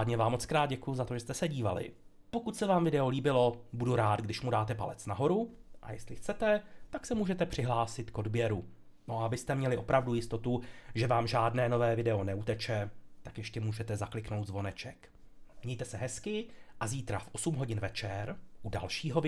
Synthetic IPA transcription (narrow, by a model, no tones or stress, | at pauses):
aːdɲɛvaːmːot͡skɾaːd̪̚ɟɛkujuzat̪oʒɛst̪ɛsɛɟiːvalɪ̰ | po̞kut̪sɛvaːmvɪdɛoliːbɪlo̞buduɾaːt̪ɡdɪʃmudaːt̪ɛpalɛt͡snaɦo̞ɾuʔa̰jɛst̪lɪxt͡sɛt̪ɛt̪aksɛmuːʒɛt̪ɛpr̝̥ɪɦlaːsɪt̪ko̞dbjɛɾu | noabɪst̪ɛmɲɛlɪʔo̞pɾʔavdujɪst̪o̞t̪uʒɛvaːmʒaːdnɛːno̞vɛːvɪdɛo̞nɛut̪ɛt͡ʃɛt̪akjɛʃcɛmuːʒɛt̪ɛzaklɪkno̞wt̪zvo̞nɛt͡ʃɛk | mɲɛjt̪ɛsɛɦɛskɪʔaziːt̪ɾafʔo̞sumɦo̞ɟɪnvɛt͡ʃɛɾʔuda̰lʃiːɦo